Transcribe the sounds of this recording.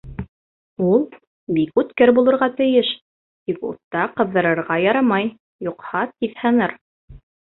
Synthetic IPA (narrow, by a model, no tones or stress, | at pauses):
ulˠ | bikʉt̪kɘɾbulˠɤ̆ɾʁɑt̪ɘ̆jɘʃ | t̪ikṵt̪ːɑqɤ̆ðːɤ̆ɾɤ̆ɾʁɑjɑɾɑmɑj | juqhɑt̪iðhɤ̆nɤɾ